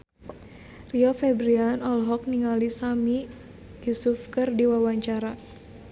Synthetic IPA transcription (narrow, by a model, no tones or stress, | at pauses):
riɔfɛbɾianɔlɦɔk̚niŋalisami | jusufkɨrdiwawaɲt͡ʃaɾa